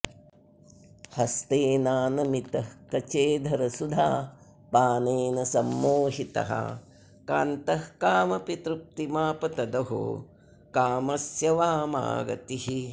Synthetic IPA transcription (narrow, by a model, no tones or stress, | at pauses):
hɐst̪eːnaːnɐmit̪ɐhkɐt͡ʃeːd̪ʱɐɾɐsud̪ʱa̰ː | paːneːnɐsɐmːoːɦit̪ɐ̰ɦɐ̰ | ka̰ːnt̪ɐhkaːmɐpit̪ɾup̚t̪imaːpɐt̪ɐd̪ɐɦṵ | kaːmɐsjɐʋaːma̰ːɡɐ̰t̪iɦi